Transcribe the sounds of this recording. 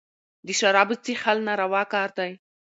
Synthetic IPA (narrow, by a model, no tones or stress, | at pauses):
d̪əʃaɾɑbət͡sixalnaɾawɑkɑːɾd̪aj